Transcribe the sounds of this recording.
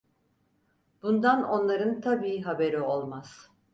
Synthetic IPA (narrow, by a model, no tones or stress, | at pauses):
b̥und̪ano̞nlˠaɾɯnt̪ʰabiːɦabe̞ɾio̞lˠmaz̥